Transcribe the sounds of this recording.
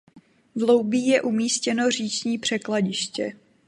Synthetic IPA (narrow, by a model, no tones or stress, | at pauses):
vlowbiːjɛʔumiːscɛno̞r̝iːt͡ʃɲiːpr̝̥ɛklaɟɪʃcɛ